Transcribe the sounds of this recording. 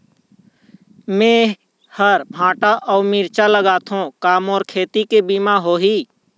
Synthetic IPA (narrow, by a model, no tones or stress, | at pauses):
mẽ | həɾbʱãːʈaʔɔːmiɾt͡ʃaləɡaːt̪ʰõkaːmɔːɾkʰeːt̪ikebimaɦoːɦiː